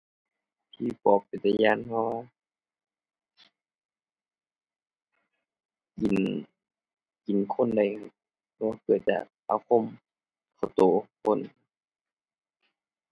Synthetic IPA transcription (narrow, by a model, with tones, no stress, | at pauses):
t̪ʰiː˧˩˨pɔː˨˩k̚pe˨˩t̪a˧jaː˧˨npʰɔ˧waː˧ | ki˨n | ki˨nkʰo˧˥˨nda˧˩˨jʰ | ɔ˧waː˧kɤ˨˩t̪̚t͡ɕa̰˧˩ʔʔa̰ː˧˩wkʰo˧˥˨m | kʰa˧˩t̪oː˨˦kʰo˧˥˨n